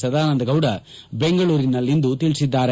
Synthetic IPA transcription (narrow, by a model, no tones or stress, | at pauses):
sɐd̪aːnɐnd̪ɐɡɐwɽɐbeŋɡɐɭuːɾinɐlːind̪ut̪iɭsid̪ːaːɾe